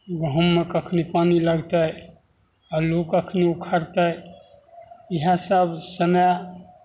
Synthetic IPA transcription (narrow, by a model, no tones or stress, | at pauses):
ɡʱɔmːekəkʰnipaniləɡt̪əj | alukəkʰniukʰəɾt̪əj | iɦãsəbʱsəmə